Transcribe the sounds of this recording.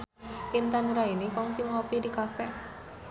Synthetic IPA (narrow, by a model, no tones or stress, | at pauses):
int̪anɾainikɔŋsɪŋɔpidikafɛ